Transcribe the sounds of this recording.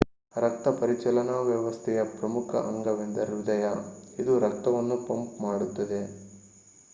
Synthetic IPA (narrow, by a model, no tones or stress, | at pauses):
ɾɐk̚t̪ɐpɐɾit͡ʃɐlɐnɐʋjɐʋɐst̪ʰɛjɐpɾɐmukʰɐ̰ʔɐŋɡɐʋend̪ɐɾud̪ɐjɐid̪uɾɐk̚t̪ɐʋɐnːupɐmpmaːɽut̪ːɐd̪e̞